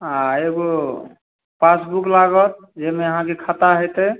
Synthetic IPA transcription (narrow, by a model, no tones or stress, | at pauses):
aeɡo | pasbuklaɡət̪̚ | d͡ʒemeəɦãkekʰat̪aɦojt̪ə